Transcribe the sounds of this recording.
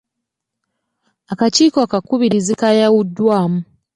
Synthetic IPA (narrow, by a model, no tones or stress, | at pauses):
akaciːkoakakuβiɾizikajawudːwaːmu